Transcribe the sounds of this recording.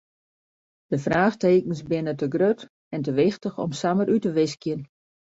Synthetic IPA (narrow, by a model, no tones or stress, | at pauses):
d̥əfraːxteːkənsbɪnətəɡrøt | ɛntəʋɪxtəxɔ̰msaməɾʔytəʋɪskjən